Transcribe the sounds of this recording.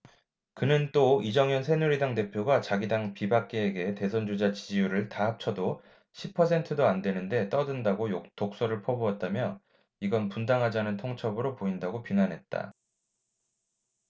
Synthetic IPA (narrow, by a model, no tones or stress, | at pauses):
kɯnɯnt͈oid͡ʑʌŋjʌnsʰe̞nuɾidaŋte̞pʰjoɡat͡ɕaɡidaŋpibak͈̚e̞ːɡe̞te̞sʰond͡ʑod͡ʑat͡ɕid͡ʑijuɾɯɭtaɦap̚t͡ɕʰʌdo | ɕʰipʰʌs̬ʰe̞ntʰɯdoandwe̞nɯnde̞t͈ʌdɯndaɡojoktok̚s͈ʌɾɯɭpʰʌboat̚t͈amjʌ | iɡʌnpundaŋɦad͡ʑanɯntʰoŋt͡ɕʰʌbɯɾopoindaɡopiŋanɦe̞t̚t͈a̰